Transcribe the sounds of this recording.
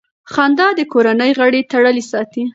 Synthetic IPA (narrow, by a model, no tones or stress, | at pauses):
xɑnd̪ɑd̪əkoɾanəjɣəɽet̪aɽəlisɑt̪i